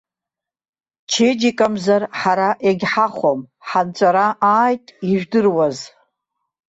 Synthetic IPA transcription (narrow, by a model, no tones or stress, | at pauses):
t͡ʃʰed͡ʒikʼamzarħaɾaʔeɡʲħaχʷomħant͡ʃʷʼaɾaʔaːjtʼiʒᶣdɨrwaz